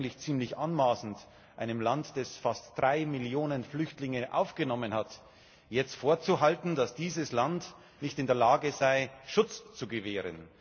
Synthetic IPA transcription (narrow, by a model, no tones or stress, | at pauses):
ŋtlɪçt͡siːmlɪçʔanmaːsn̩t | ʔaɪnəmlantd̥ɛsfastd̥ʁaɪmɪljoːnənflʏçtlɪŋəʔa̰ʊfɡ̥ənɔmənhat | jɛt͡stfoːɐt͡suɦaltn̩d̥asd̥iːzəslant | nɪçtɪndeːɐlaːɡəzaɪʃʊt͡st͡suɡəveːʁə̰n